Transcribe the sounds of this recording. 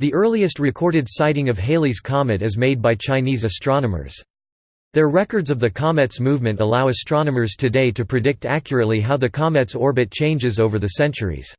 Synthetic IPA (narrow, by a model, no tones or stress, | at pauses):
ðiʔɜ˞lˠiɨst̚ɹɨkʰɔɹɾɨdsaɪɾɪ̃ŋʌv̥ɦeɪlˠiz̥kʰɑmɨɾɨzmeɪd̚baɪt͡ʃʰãɪ̃nizɨstɹ̥ɑnəmə̰˞z̥ | ðə˞ɹɛkə˞dzʌvðɨkʰɑmɛtsmuvmɨ̃ntəlaʊɨstɹ̥ɑnəmə˞z̥tʰɨdeɪɾɨpʰɹ̥ɨdɪk̚tækjəɹɨtˡliɦaʊðɨkʰɑmɛtsɔɹbɨt̚t͡ʃʰẽɪ̃nd͡ʒɨzoʊvə˞ðɨsɛ̃nt͡ʃə˞ḭz̥